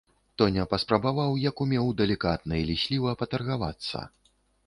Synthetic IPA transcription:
t̪ɔnʲɛpɐspɾɐbavawjɐkumʲɛwd̪ɛlʲikat̪̚nɐilʲisʲlʲivɐpɐt̪ɐrɣava̰t̪sːɐ̰

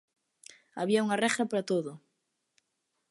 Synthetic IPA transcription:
aβiauŋɐrɛɣɾapaɾat̪oðʊ

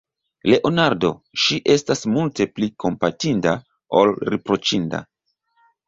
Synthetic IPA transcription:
le̞ʔo̞naɾdo̞ʃiʔe̞stasmulte̞plikʰo̞mpatinda | o̞̰lɾepɾo̞t͡ʃinda̰

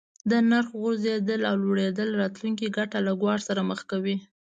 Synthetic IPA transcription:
d̪ənaɾxɣʊzed̪əlawloɽed̪əlɾɑt̪luŋk̬iɡaʈalaɡwɑɽsaɾaməxkawi

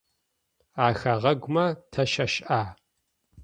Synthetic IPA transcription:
aːxɐʁɐɡʷʊmɐtʰɐʃɐʃʔaː

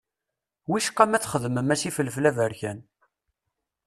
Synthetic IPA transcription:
wiʃqːæmæt͡sːχəðəməmæsifələflævəɾçæn

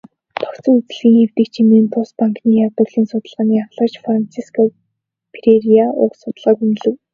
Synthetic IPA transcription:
t̪ʰɔ̥kt͡sə̆ŋut͡s̆ɮɣiːŋxew̥t̪ɘ̆k̚t͡ɕʰimeːnt̪ʰʊspaŋkniːjawt̪ə̆ɣɮiːnsʊt̪ə̆ɮʁaːniːaχɮə̆ːt͡ɕfrant͡sʰiskʰɔ | pʰreɾiaʊːsʊt̪ə̆ɮʁaːk̪un̆ɮɘ̆w

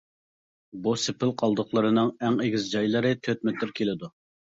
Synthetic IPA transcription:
busɪpɪlˠqʰɑlˠd̪ʊχlˠəɾɨnɨŋæŋeɡʲizd͡ʒɑjlˠɨɾɨt̪ʰøt̪̚mɪt̪ʰɪɾkʲʰelɪd̪u

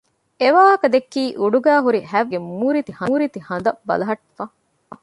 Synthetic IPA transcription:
eʋaːɦɐkɐd̪ekːiːʔuɖuɡæːɦuɾihæʋɡemuːɾit̪ihɐːɾit̪ihɐnd̪ɐbɐ̰lɐɦɐʈːfɐ

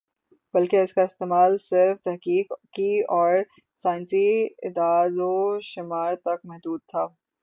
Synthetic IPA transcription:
b̥ɐlkeɪskaɪst̪eːmaːlsɪɾft̪ɛɦkiːkːiɔːɾ | saːɪ̃nsiɪd̪aːdoʃɪmaːɾt̪ɐkmɛɦd̪uːd̪̚t̪ʰaː

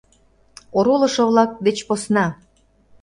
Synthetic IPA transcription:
oɾolɤ̆ʃoβlɑk̚d̪et͡ɕposnɑ

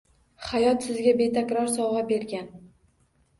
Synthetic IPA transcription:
χajɒt̪sɪzɡʲabe̞t̪ʰakʲɾɒɾsɒwʁabe̞ɾɡʲan

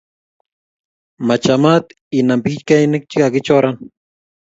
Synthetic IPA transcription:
mat͡ʃamat̪ | inampikit͡ʃkajnɪk̚t͡ʃikakɪt͡ʃoɾan

